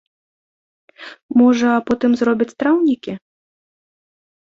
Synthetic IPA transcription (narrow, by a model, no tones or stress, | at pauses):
mɔʐɐːpɔt̪ɨmzɾɔbʲit͡sʲt̪ɾawnʲikʲi